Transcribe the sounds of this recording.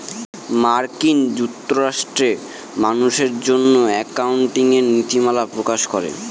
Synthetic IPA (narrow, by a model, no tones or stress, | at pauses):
maɾkind͡ʑukt̪ːoɾaʃʈɾe | manuʃeɾd͡ʑonːoɛkauɳʈiŋeɾnit̪imalapɾokaʃkɔɾḛ